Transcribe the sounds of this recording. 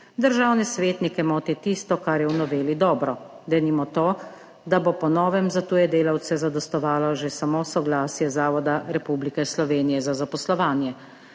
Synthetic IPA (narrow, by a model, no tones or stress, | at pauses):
d̪əɾʒawnɛsʋeːt̪nikɛmɔːt̪ɛt̪ist̪ɔkaɾjɛwnɔʋeːlid̪ɔːbɾɔ | d̪ɛnimɔt̪oː | d̪abopɔnɔːʋɛmzat̪ujɛd̪eːlawt̪sɛzad̪ɔst̪ɔʋaːlɔʒesamosɔɡlaːsjɛzaːʋɔd̪aɾɛpublikɛslɔʋeːnijɛzazapɔslɔʋaːnjɛ